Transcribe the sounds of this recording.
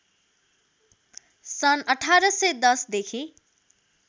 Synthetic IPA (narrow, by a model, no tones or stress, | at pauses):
sʌnʌʈʰaɾʌsʌjd̪ʌsd̪ekʰi